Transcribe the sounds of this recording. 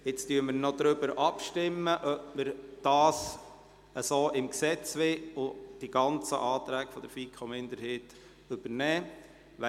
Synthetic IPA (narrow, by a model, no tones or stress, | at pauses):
ɪt͡styːməɾnɔd̪ɾʏbəɾʔɑpʃtɪmːəʔœp̚məɾd̥ɑːs | əsoːʔɪmksɛt͡sʋɪʊd̥iɡ̥ɑnt͡səʔɑːt̪ɾæːɡfɔd̥̪əɾfiːkʰomɪnd̪əɾɦhet | ʏb̥əɾnɛː | ʋɛ